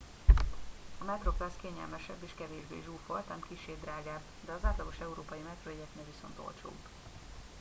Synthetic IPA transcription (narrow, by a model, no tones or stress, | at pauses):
ɒmɛt̪ro̞plɛskeːɲɛ̰lmɛʃɛ̰bːeːʃkɛveːʒbḛːʒuːfolt̪ɛmkiʃːeːd̪raːɡaːb | d̪ɛɒzaːt̪lɒɡo̞ʃɛuɾoːpɒjimɛt̪roeɛkneːlʋiso̞̰nt̪o̞̰lt͡ʃo̰ːb